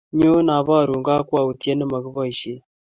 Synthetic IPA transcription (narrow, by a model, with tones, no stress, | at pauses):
ɲo˦na˨βa˦˨ɾu˨ŋɡa˦kwa˨u˨ti˦a˦nə˦ma˨ɣɨ˦βa˦i˨ʃe˦